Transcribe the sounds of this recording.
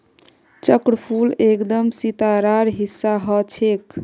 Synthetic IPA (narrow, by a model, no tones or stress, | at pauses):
t͡ʃəkɾəpʰulekd̪əmsit̪aɾaɾɦisːaɦət͡ʃʰek